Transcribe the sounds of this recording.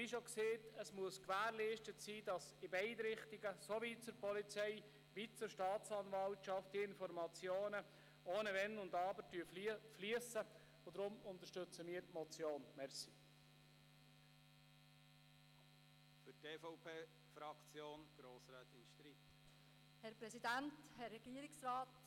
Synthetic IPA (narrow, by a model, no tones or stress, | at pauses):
ʋiʃokseːtəsmuəskʋæːɾliːʃtətsiːd̥ɑsɪbɛɪdɾɪχtɪɡəsoʋit͡sʊɾpɔlit͡sɛɪ | ʋit͡sʊʃtɑːt͡sɑnʋɑltʃɑftd̥iɪnfɔɾmɑt͡sjoːnə | oːnəʋɛnʊndɑːbəɾtyəffliəsə | od̪ɾʊmʊnt̪ə̥ʃtɵt͡səmiːəɾtmɔt͡sjoːnmɛɾsi̥ | fʏteːfɔʊpʰeː | fɾɑkt͡sjoːnɡ̥ɾoːsɾaːt̪ɪnʃt̪ɾiːt | hɛɾpɾɛsidænthɛrːɛɡ̥iːəɾɪksɾaːt